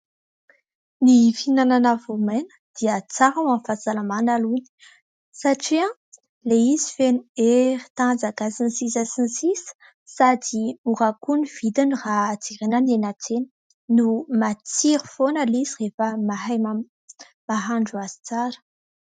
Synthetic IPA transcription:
nifinananavomenə̥d̪̥iət͡saɾawamfazalamanaluni̥ | saʈ͡ʂiã | leizi̥fenueɾi̥t̪ad͡zaɡasinsizasinsisə̥ | sad̪imurakuniv̥id̪anirat͡siʁenanenat͡senə̥ | numat͡siɾufonəlizirefəmaɦajm | maɦaɳɖ͡ʐuaz̥i̥t͡saɾə̥

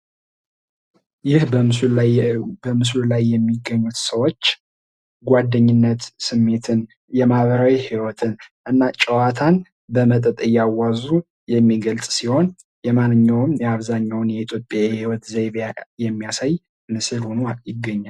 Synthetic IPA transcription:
jɪhbə | bəmɨslulajːɛmːiɡːəɲːut̪səwo̞t͡ʃː | ɡʷad̪ːəɲːɪnːət̪sɨmːe̞t̪ʰɨn | jɛmahβəɾawihiwɔt̪ʰɨnʔɨnːat͡ʃʼəwat̪ʰan | bəmət̪ʼət̪ʼɨjːawazu | jɛmːiɡəlsʼsiho̞n | jɛmanːɨɲːawɨmjɛaβzaɲːawnjɛit̪ʰjo̞pʼːjahiwɔt̪zeβjajɛmːijasaj | mɨsɨlhonojɪɡːəɲːal

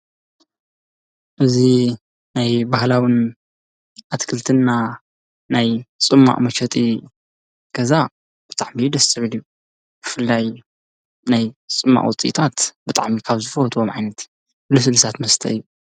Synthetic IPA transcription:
ʔɨzi | najbahlawɨn | ʔat̪kʰɨlt̪ʰɨnːa | najt͡sʼɨmːa̰ʔʼmɐʃɐt̪ʼi | ɡ̥ɐza | b̥ɨt̪ʼaʕmid̪ɐsɨʕɨlju | b̥ɨfɨlːaj | najt͡sʼɨmːa̰ʔʼwɔ̰t͡sʼḭt̪ʰat̪b̥ɨt̪ʼa̰ʕmikʰaβzɨfɐht̪ʼomʕajnɐt̪ | lɨsɨlɨsat̪mɐst̪ʰɐ̰ɨjːu

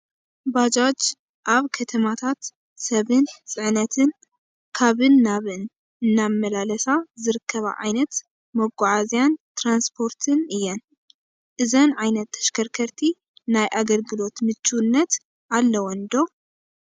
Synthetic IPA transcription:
bad͡ʒad͡ʒ | ʔaβkʰɐt̪ʰɐmat̪ʰat̪ | sɐβɨnt͡sʼɨʕnɐt̪ʰɨn | kʰaβɨnːaβɨn | ɨnːamːɐlalɐsazɨɾɨkʰːɐβa̰ʕa̰jnɐt̪ | mɐɡːʊʕazijant̪ɾanspʰo̞ɾt̪ʰɨnɨjːɛn | ʔɨzɐnʕajnɐt̪ʰːɐ̥ʃkʰɐɾkʰɐɾt̪ʰi | najʔaɡɐlɡɨlo̞t̪mɨt͡ʃʼːunːɐt̪ | ʔalːɐwɔnd̪o̞

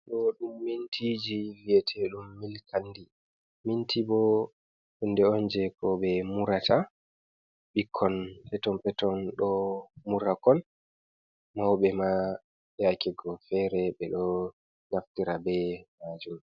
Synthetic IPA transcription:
ɗɔɗumːintʰid͡ʒiwijɛtʰɛɗumːilkʰandi | mintibɔ | undɛɔnd͡ʒɛkʰɔɓɛmuɾata | ɓikʰːɔnpɛtɔmpɛtɔnɗɔmuɾakɔn | mawɓɛma | akɛɡɔfɛɾɛɓɛɗɔ | ɡaftiɾabɛmad͡ʒum

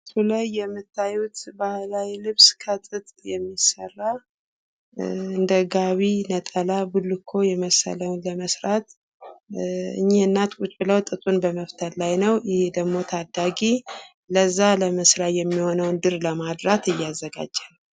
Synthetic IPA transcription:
sulajːɛmːɨt̪ːajut̪bahlajlɨβskʰət̪ʼɨt̪ʼjɛmːisərːa | ɨnd̪əɡaβinət̪ʼəlabulːɨkʰːo̞jɛməsə̰ləwnləməsɾat̪ | ɨ̰ɲːeɨnːat̪kʼut͡ʃʼbɨləwt̪ʼɨt̪ʼunbəməft̪ʰəlːajnəwjɪhed̪əɡmo̞t̪ʰad̪ːaɡi | ləzːaləməsɾajɛmːiho̞nəwnd̪ɨɾləmad̪ɾat̪ɨjːazːəɡa̰d͡ʒːal

